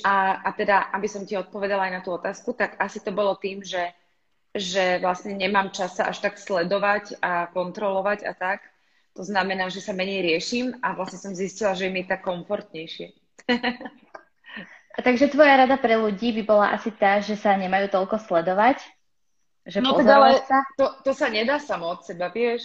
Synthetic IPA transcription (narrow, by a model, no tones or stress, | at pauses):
aat̪ɛd̪aʔabisɔmciɔt̪̚pɔʋɛd̪alajnat̪uːɔt̪aːskut̪akasit̪ɔbɔlɔt̪iːmʒɛ | ʒɛʋlasɲɛɲɛmaːmt͡ʃasaʔa̰ʃt̪akslɛd̪ɔʋacakɔnt̪ɾɔlɔʋaɟa̰t̪ak | t̪ɔznamɛnaːʒɛsamɛɲɛjɾɪɛʃiːmaʋlasɲɛsɔmziscilaʒɛjɛmiɛt̪akːɔɱfɔɾt̪ɲɛjʃɪɛ | at̪aɡʒɛt̪ʋɔjaɾad̪apɾɛluɟiːbibɔla̰ʔa̰sit̪aʒɛsaɲɛmajuːt̪ɔʎkɔslɛd̪ɔʋac | ʒɛnp̪ɔɔɛaalɛsat̪ɔt̪ɔsaɲɛd̪aːsamɔɔt̪sɛbaʋɪɛʃ